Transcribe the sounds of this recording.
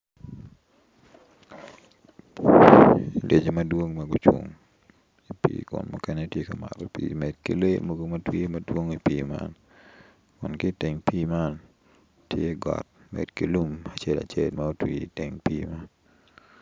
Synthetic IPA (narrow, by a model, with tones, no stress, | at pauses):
lʔe˨d͡ʒe˨mɐ˦dwo˦ŋma˨ɡu˨t͡ʃwu˨ŋ | i˨pḭːkʊ̰˨nmu˦kɛ˦ne˦tje˦ka˨ma̰˨ɾɔpḭmɛd̚kḛ˨le˦mo˨ɡo˨mɐtwi˦madwo˦ŋipiːma̰n | kʊ˨nkɪte˨ŋpiː˦man | tʰje˦ɡɔ̰t̚mɛ̰˨dke˨lu˦mat͡ʃe˦la̰˨t͡ʃelmao˦twi˨i˨te˨ŋpiː˦ma˦n